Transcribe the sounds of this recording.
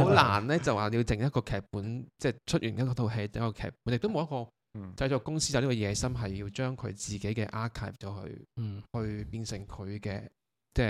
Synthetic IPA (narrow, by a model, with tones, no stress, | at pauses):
ho˨˥wlaː˨˩nlɛː˥t͡sɐ˨waː˨˩˨i˧t͡sɪ˨ŋjɐ˥t̚kɔː˧kʰɛː˨k̚puː˨˥nt͡sɛː˥˩t͡ʃʰɵ˥t̚ʔyː˨˩njɐ˥kɔ˧t̪ʰo˧wɦe˧jt̪e˨˦jkːɔː˧kʰɛ̰ː˨˩k̚puː˨˥njɪ˨k̚t̪o˥mo˨˧wjɐ˥t̚kɔː˧ | t͡sɐ˧jt͡ʃɔː˨˧kʊ˥ŋsi˥ja˨˧li˥kɔː˧jɛː˨˧sɐ˥mɦɐ˨jjiː˧wt͡ʃœː˥ŋkʰɵ̰˨˧ɥt͡siː˨ke˨˥jkɛː˧ʔaː˥kʰaː˥˩ft͡sɔː˨˥hɵ̰˧ɥhɵ˧ɥpiː˧nsɪ˨˩ŋkʰɵ˨˧ɥkɛː˧ | t͡sɛː˥